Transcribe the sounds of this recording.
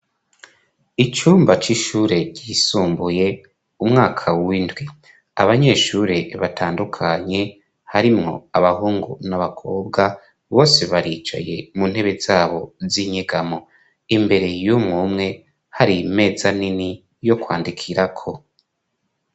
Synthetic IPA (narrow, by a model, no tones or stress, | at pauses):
it͡ʃuːmbat͡ʃiʃuːɾe̞ɟiːsuːmbuje̞ | umŋaːkʰawindwi | aβaɲe̞ːʃuːɾe̞βatʰaːndukʰaɲe̞ | haɾimŋo̞̰aβaɦuːŋɡṵnaβakʰo̞ːbɡa | βo̞ːse̞βaɾiːt͡ʃa̰je̞̰mun̥he̞βe̞zaːβo̞ziɲiɡamo | imbe̞ɾe̞jumŋumŋe̞ | haɾime̞ːzanini | jo̞kwaːndikʰiɾakʰo̞